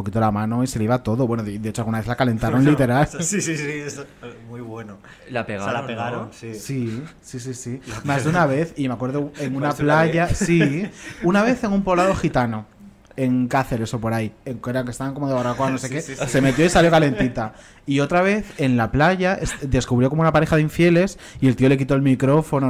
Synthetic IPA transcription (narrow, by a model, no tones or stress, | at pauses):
pokit̪olamãno̞ise̞leiβat̪o̞ðoβwe̞noðd̪eet͡ʃoalɣunaβeθlakale̞nt̪aɾonlit̪e̞ɾalssi | mujβweno | lapeɣalapeɣaɾonssisis̬isimmazðunaβ̞e̞θimeakwe̞ɾðoeŋunnaplaʝasiunaβ̞e̞θe̞ŋumpolaðo̞xit̪ano̞ | e̞ŋkaθe̞ɾe̞so̞po̞ɾajeŋkeɾaŋkest̪aβaŋko̞mo̞ðeβarakoanosekese̞me̞t̪̬jo̞isaljo̞kale̞nt̪it̪a | io̞t̪ɾaβ̞e̞θe̞nlaplaʝaʔesd̪e̞skuβɾjoko̞mounapaɾe̞xaðiɱfje̞le̞s | ie̞lt̪io̞le̞k̬it̪o̞elmikɾo̞fo̞no